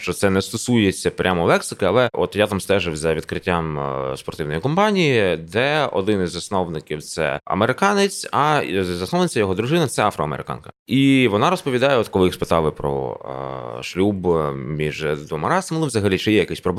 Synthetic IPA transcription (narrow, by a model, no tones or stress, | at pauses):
ʃt͡ʃɔt̪sɛnɛst̪ɔsujet͡sʲːɐpɾʲʔamɔlˠɛksɪkɪɐlˠɛʔɔt̪jat̪ɑmst̪ɛʒɪwzʲɐʋʲid̪kɾɪtʲːamspɔrt̪ɪwnɔjikɔmpɑnʲijid̪ɛɔ̰d̪ɪnɪzːɐsnɔʋnɪkʲiwt̪sɛ̰ɐ̰meɾɪkɑnɪt͡sʲɐzɐsnɔwnɪt͡sʲːɐjɔɦɔd̪ɾʊʒɪnɐt̪sɛɑfɾɔɐmḛɾɪ̰kɑ̰nkɐ̥iʋɔnɑɾɔspɔʋʲid̪ɑjɛɔt̪kɔlˠɪxspɪt̪ɑlˠɪpɾɔ̰ | ʃlʲubmʲiʒd̪ʋɔmɑɾɑzɐmɪlˠɪʋzɐɦɐlʲit͡ʃɪjɛjɐkɪsʲpɾɔb̪ˠ